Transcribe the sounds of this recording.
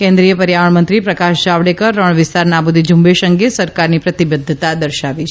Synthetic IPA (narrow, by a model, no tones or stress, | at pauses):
kɛ̃nd̪ɾijəpəɾjaʋəɳmənt̪ɾipɾəkaʃd͡ʒaʋɽekəɾːəɳ̃ʋɪst̪aɾnabud̪ʱid͡ʒũmbeʃəŋɡesəɾkaɾnipɾət̪ibəd̪ʱːt̪ad̪əɾʃaʋit͡ʃʰ